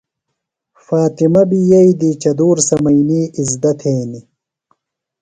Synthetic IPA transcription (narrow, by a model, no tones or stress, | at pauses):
faːt̪imɐbijɐid̪iːt͡ɕɐd̪uːɾsɐmɐjniːizd̪ɐt̪ʰeːni